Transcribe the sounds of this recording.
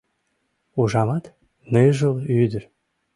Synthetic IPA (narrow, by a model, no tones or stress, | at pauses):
uʒɑmɑt̪ | neʒəlyd̪əɾ